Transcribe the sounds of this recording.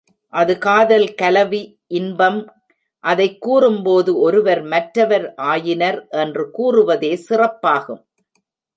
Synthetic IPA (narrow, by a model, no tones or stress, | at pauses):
ʔɐðɯkaːðɐlkɐlɐʋi | ʔɪnbɐm | ʔɐðɐɪkːuːrɯmpoːðɯɔɾɯʋɐɾmɐʈɾɐʋɐɾʔaːjɪnɐɾʔɛndrɯkuːrɯʋɐðeːsɪrɐpːaːɣɯm